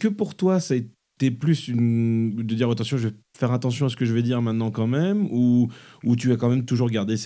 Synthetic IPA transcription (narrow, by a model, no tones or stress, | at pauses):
kəpuʁt̪wasae | t̪eplysynd̪əd̪iʁat̪ɑ̃sjɔ̃ʒəvɛ | fɛʁat̪ɑ̃sjɔ̃asə̥kəʒəvɛd̪iʁmɛ̃t̪nɑ̃kɑ̃mɛmuː | t̪yakɑ̃mɛmt̪uʒuʁɡaʁd̪es